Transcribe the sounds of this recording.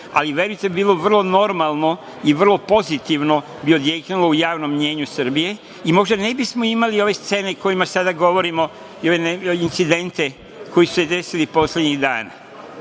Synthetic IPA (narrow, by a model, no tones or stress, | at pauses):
a̰liʋje̞ɾujt̪ebibiːlˠoʋr̩lˠono̞ɾmalˠno̞ | iʋr̩lˠo̞po̞zit̪iʋno̞ | biod̪jeknilo̞ujaːʋno̞mːɲe̞ːɲusr̩bije̞ | imo̞ʒd̪ane̞bismo̞imalio̞ʋe̞st̪se̞ːne̞ko̞jimasad̪aɡo̞ʋo̞ɾimo̞ | ioʋeneint̪sid̪e̞nt̪e̞ | ko̞jisu̥sed̪e̞silipo̞slʲed̪ɲiɣd̪a̰ːna̰